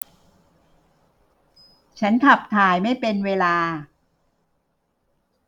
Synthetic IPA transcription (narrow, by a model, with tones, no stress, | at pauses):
t͡ɕʰa˦˥nk̪ʰa˨˩p̚t̪ʰaː˨˩jma˥˩jpe˧nweː˧laː˧